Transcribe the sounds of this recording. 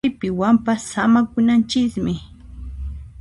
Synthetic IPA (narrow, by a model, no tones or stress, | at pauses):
jpɪwampasamakʊnant͡ʃɪkmɪ